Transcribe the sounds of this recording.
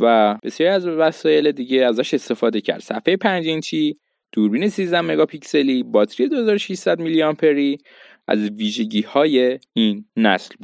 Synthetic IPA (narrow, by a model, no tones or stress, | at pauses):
væb̥e̞sjɒːɾiæzvæsɒːje̞led̪iːɟe̞æzæʃe̞st̪e̞fɒːd̪e̞cʰæ̰ɾd̪̥sæ̰fhejepʰænd͡ʒint͡ʃʰi | d̪̥uːɾbiːne̞sizd̪æmːe̞ɡɒːpʰicse̞liːbɒt̪ʰɾije̞d̪o̞he̞zɒːɾoʃiʃsæd̪milijɒmpʰeɾi | æ̰zviːʒe̞ɟiːhɒːjeinːæ̰slbud̥̪